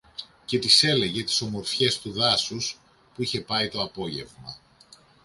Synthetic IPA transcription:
ce̞t̪ise̞le̞ʝe̞t̪i̥so̞mo̞ɾfçe̞st̪uðɐsus | puiçe̞pɐit̪o̞ɐpo̞ʝe̞̰vmɐ

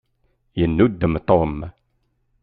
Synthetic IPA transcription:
jənːud̪ːəmt̪om

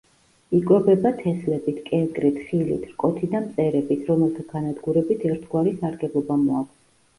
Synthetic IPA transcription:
ikʼwɛbɛbat̪ʰɛslɛbit̪ʰkʼɛnkʼɾit̪ʰχilḭt̪ʰɾkʼɔt̪ʰid̪amt̪sʼɛɾɛbit̪ʰɾɔmɛlˠt̪ʰaɡ̥anad̪ɡuɾɛbit̪ʰɛɾt̪ʰɡwaɾisaɾɡɛblˠɔbamɔakʰʷʼs

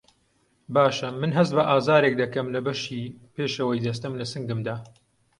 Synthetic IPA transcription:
baːʃɐmːɨnɦɐzt̪bɐʔaːzaːɾek̚d̪ɐkɐmlɐbɐʃiːpeːʃɐwɐjd̪ɐs̬t̪ɐmlɐsɨŋɡɨmd̪aː

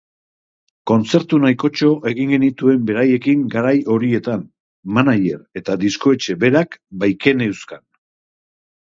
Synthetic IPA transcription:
ko̞nt͡se̞ɾt̪unajko̞t͡ʃo̞ʔe̞ɣiŋɡe̞nit̪ue̞mbe̞ɾaje̞kiŋɡaɾajo̞ɾie̞t̪an | manaje̞ɾe̞t̪ad̪isko̞e̞t͡ʃe̞βe̞ɾakbajke̞ne̞wskan

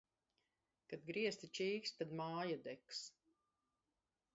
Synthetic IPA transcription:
kad̪̚ɡɾiɛst̪it͡ʃiːkst̪ad̪maːjad̪ɛks

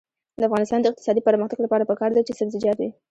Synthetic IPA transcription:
d̪əafɣɑnɪst̪ɑnd̪əɪq̚t̪ɪ̥sɑd̪ipəɾməxt̪aɡlapɑɾapəkɑɾd̪at͡ʃesabzɪd͡ʒɑt̪̚d̪i

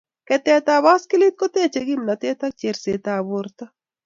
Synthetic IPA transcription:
kɛt̪eːt̪aːbaːskilit̪̚kot̪eːt͡ʃɐɡimnɐt̪eːt̪ɐk̚t͡ʃeɾseːt̪aːboɾt̪ɐ

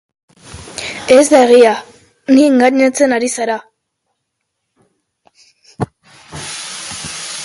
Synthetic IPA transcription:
ezd̪aɣia | niŋɡaɲat͡senaɾisaɾa

